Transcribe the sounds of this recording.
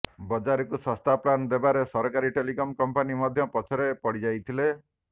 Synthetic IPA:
bɔd͡ʒaɾɔkusɔst̪apland̪ebaɾesɔɾkaɾiʈelikɔmkɔmpanimɔd̪ʱjɔpɔt͡ʃʰɔɾepɔɽid͡ʒajt̪ʰile

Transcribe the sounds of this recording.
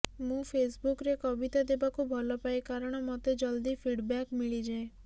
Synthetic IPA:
mũpʰesbukɾekɔbit̪ad̪ebakubʱɔlɔpajkaɾɔɽ̃ɔmɔt̪ed͡ʒɔld̪ipʰiɖbakmiɭid͡ʒae

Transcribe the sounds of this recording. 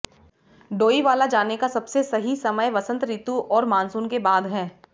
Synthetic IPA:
ɖoːiʋaːlad͡ʒaːnekasɐbsesɐɦisɐməjʋɐsə̃nt̪ɾiːt̪uʔɔːɾmãːnsuːnkebaːd̪ɦɛː

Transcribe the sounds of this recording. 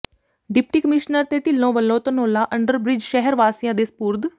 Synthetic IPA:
ɖɪpʈiːkəmɪʃnəɾt̪eːʈɪlːõːʋəlːõːt̪ənoːlãːʔəɳɖəɾbɾɪd͡ʒʃɛɦəɾʋaːsɪjãːd̪eːspuːɾd̪

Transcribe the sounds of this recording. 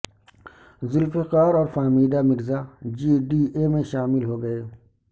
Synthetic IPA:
zɪlfɪqaːɾɔːɾfaːmiːd̪amɪɾzaːd͡ʒiːɖiːemẽʃaːmɪlɦoɡɐeː

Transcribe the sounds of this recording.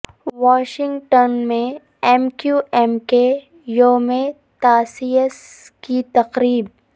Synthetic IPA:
ʋaːʃɪ̃ŋɡʈənmẽ | ɛmkjuːɛmke | joːmẽ | t̪aːsies | kit̪ɐqɾiːb̚

